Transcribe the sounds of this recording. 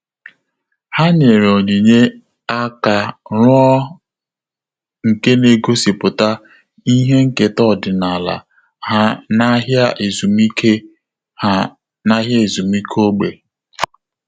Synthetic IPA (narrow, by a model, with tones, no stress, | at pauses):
ha˦ɲe˨ɾo˨ɲi˨ɲe˦ | a˦ka˨ɾʊ˦ɔ˦ | ŋ̩˨ke˦ne˨ɡo˦si˨pʊ˨ta˦ | i˦ɦe˦ŋ̩˦ke˨tɔ˦˨dɪ˨na˨la̰˨ | ha˦na˦ɦja˦ʔe˨zu˨mi˦ke˦ | a˦ | na˦ɦja˦e˨zu˨mi˦kʰo˦ɡ͡be˨